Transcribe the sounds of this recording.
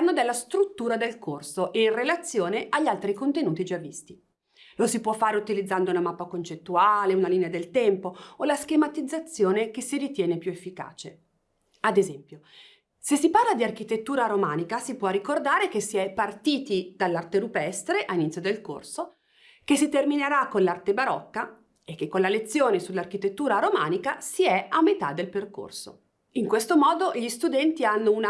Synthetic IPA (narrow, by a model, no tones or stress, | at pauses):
anːod̪elːast̪ɾut̪ːuːɾad̪elkorsoʔeinrelat̪sːjoːneʔaʎːalt̪ɾikont̪enuːt̪id͡ʒavːist̪i | losipwɔfːaːɾeut̪ilid̪zːand̪ounamapːakont͡ʃet̪ːuaːleunaliːnead̪elt̪ɛmpoolask̟emat̪id̪zːat̪sːjoːnekesːiɾit̪jɛːnepjuefːika̰ːt͡ʃe | ad̪ezɛmpjo | sesːiparlad̪iark̟it̪et̪ːuːɾaɾomaːnikasipwɔrikord̪aːɾek̟esːiɛpːart̪iːt̪id̪̥alːart̪eɾupɛst̪ɾeʔainit̪sjod̪elko̰rso | kesit̪ermineɾakːonlart̪ebaɾɔkːa | ekːekːonlalet̪sːjoːnesulːarkit̪et̪ːuːɾaɾomaːnikasiɛamːet̪ad̪ːelperko̰rso̰ | iŋkwest̪omɔːd̪oʎist̪ud̪ɛnt̪ianːouna